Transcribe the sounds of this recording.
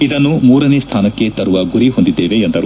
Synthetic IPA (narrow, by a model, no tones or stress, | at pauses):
id̪ɐnːumuːɾɐnest̪ʰaːnɐkːe̞t̪ɐɾuʋɐɡuɾiɦo̞nd̪id̪ːeːʋeːnd̪ɐɾu